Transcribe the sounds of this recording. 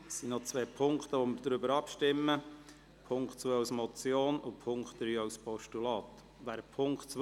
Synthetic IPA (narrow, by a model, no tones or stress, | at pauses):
sːinɔt͡sʋeːpʰʊŋkt̪əʋɔmɪɾd̥ɾʏbəɾɑpʃtɪmːə | pʰʊŋkχtt͡sʋœːaʊsmɔt͡sjoːnʊpʰʊŋkχt̪ɾyːɑwspɔʃtulɑːt̪ | ʋæːɾpʰʊŋkt͡s